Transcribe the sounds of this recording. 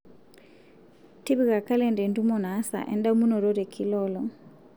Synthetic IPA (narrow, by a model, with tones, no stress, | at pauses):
ti˦βi˨ɣa˨ka˦lɛ˨ndɛ˨ndu˦mɔ˨na˨˦sa̰˨ʔɛ̰˨nda˦mu˦nɔ˨ɾɔ˦ɾɛ˨kʰi˦lɔlɔ˨